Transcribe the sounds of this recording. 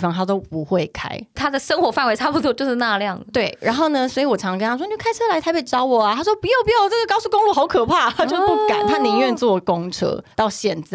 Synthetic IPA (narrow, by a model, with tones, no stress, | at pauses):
fɑ˥ŋt̪ʰa˥t̪̬o˥ʊpu˨˧˦xwe˥˩ɪkʰa̰˥ɪt̪ʰa˥d̪ə˨ʂə˥ŋxwɔ˧˥fa˥˩nwe˧ɪa˥˩pu˩t̪ʰwɔ˥˧t͡ɕo˥˧ʊʂɻ̩˥˧na˥˧ljɑ˥˩ŋ˩t̪we˥˩ɪɻʔa̰˧˥nxo˥˩ʊnə˨swɔ˧˥i˧˨wɔ˨˩ʈ͡ʂʰɑ˧˥ŋkə˧˥na˥wn˨˥˩kʰa˥ɪt͡sʰɤ˥la˧ɪt̪ʰa˧˥ɪpjɛ˨˩ɪʈ͡ʂɑ˥ʊwɔ˨˩a˨t̪ʰa˥ʂwɔ˥pu˧˥jo˨˩ʊp̬u˧˥jo˨˩ʊʈ͡ʂɤ˥˩ɡə˨˩kɑ˥ʊsu˥˩kʊ˥ŋlu˥˩xʊkʰɤ˨˩pʰa˥˩t͡ɕo˥˧ʊpu˥˩ka̰˨˩nt̪ʰa˥ni˧ŋɥɛ˥˧nt͡swɔ˥˩ko˦ŋʈ͡ʂʰɤ̰˥t̪ɑ˥˩ʊɕjɛ˨˩nt͡s